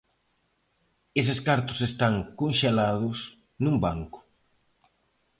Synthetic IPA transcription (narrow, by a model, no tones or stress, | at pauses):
eseskaɾt̪ʊ̥sest̪aŋkonʃelaðʊs | nũmbaŋkʊ̥